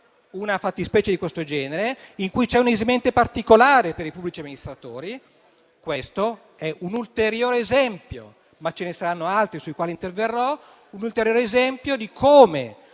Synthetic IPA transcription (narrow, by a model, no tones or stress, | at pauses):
unafat̪ːispɛːt͡ʃed̪ikwest̪od͡ʒɛːneɾeiŋkujt͡ʃɛunezimɛnt̪epart̪ikolaːɾepeɾipubːlit͡ʃiamːinist̪ɾat̪oːɾi | kwest̪o | ɛʔunult̪eɾjoːɾeːzɛmpjo̰ | mat͡ʃenesaɾanːoalt̪ɾisuikwaːlint̪erverːɔ | unult̪eɾjoːɾeːzɛmpjod̪ikʰoːme